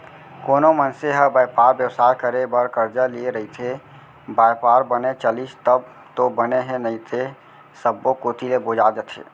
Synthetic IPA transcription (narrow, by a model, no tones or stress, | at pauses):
koːnomənseɦəbajpaɾbjəwsaːjkəɾebəɾkəɾd͡ʒəlieɾəɦit̪ʰe | bajpaɾbənet͡ʃəlist̪əb̚ | t̪obəneɦẽnəit̪ʰe | səbːokoːt̪ʰilebod͡ʒad͡ʒ̪ət̪ʰḛː